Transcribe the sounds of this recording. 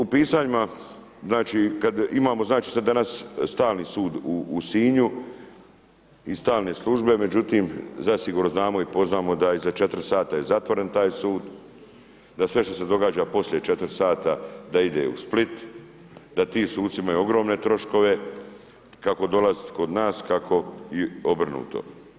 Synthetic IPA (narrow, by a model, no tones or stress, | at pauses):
upiːsaːɲima | znaːt͡ʃikad̪imaːmo̞znaːt͡ʃi̥sad̪d̪anasst̪aːlnisuːd̪uːsiːɲu | ist̪aːlneslˠuʒbe̞me̞d͡ʑut̪iːmzasiɡuːɾno̞znaːmo̞ipo̞znaːmo̞d̪aizat͡ʃe̞t̪ɾsaːt̪aje̞zat̪ʋo̞ɾe̞nt̪aːjsuːd̪ | d̪asʋe̞ʃt̪o̞se̞d̪o̞ɡaːd͡ʑapo̞slʲjet͡ʃe̞t̪ɾsaːt̪ad̪aid̪ḛṵsplit̪ | d̪at̪iːmsuːdt̪siimajuo̞ɡɾo̞ːmne̞t̪ɾo̞ʃko̞ʋe̞ | kako̞d̪o̞lazit̪kod̪naːskakʰo̞jeobr̩nṵːt̪o̞̰